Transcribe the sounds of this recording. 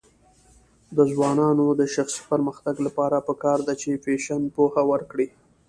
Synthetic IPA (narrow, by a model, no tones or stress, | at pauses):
d̪əzwɑnɑnod̪əʃaxsi̥pəɾməxt̪aɡlapɑɾapəkɑɾd̪at͡ʃefeʃanpohawəɾkɽi